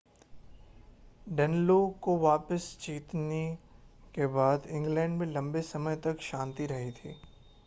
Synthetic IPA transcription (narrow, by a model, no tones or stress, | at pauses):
ɖɛnlokoʋaːpəst͡ʃiːt̪nekebaːd̪ɪ̃ŋɡlɛ̃ːɳɖmẽlɐ̃mbesɐməjt̪ɐkʃãːnt̪iɾɐɦit̪ʰiː